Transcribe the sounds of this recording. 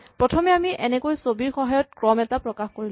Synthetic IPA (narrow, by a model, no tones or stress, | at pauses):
pɹɔtʰɔmɛamiɛnɛkojsobiɹxɔɦajɔt̚kɹɔmɛtapɹɔkaxkoɹil